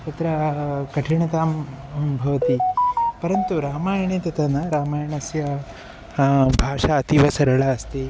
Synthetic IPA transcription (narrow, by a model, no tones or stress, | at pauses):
t̪ɐt̪ɾɐkɐʈʰiɳɐt̪aːm | bʱɐʋɐt̪ipɐɾɐnt̪uɾaːmaːjɐɳeːt̪ɐt̪ɐnɐɾaːmaːjɐɳɐsjɐ | bʱaːʂaɐt̪iʋɐsɐɾɐɭɐɐst̪e